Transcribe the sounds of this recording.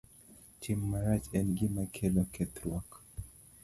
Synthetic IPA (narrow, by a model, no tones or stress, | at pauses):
tʰimːaɾat͡ʃɛnɡimakʰɛlɔkʰɛt̪ɾwak